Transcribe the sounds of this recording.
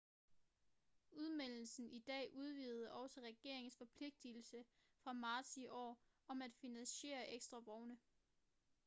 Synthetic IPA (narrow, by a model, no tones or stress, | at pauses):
uð̞ˠmel̰l̩sn̩ʔid̥ɛ̰ːʔuð̞ˠʋḭːð̩ˠəʔɒ̽ʊsəʁɛɡ̥e̝ɐ̰eŋn̩sfɒ̽pʰle̝ɡ̥̚d̥il̩sə | fʁɑ̈mɑ̈ːd̥siʔɒ̰ː | ɒ̽mæd̥finænɕe̝̰ːɐʔeɡ̥sd̥ʁɑ̈ʋɒʊnə